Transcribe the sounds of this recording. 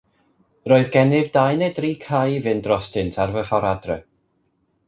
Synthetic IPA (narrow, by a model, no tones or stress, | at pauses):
roːɨðɡɛnɪvdajnedriːkʰajvɨndrɔstɪntʰarvəχɔɾadrɛ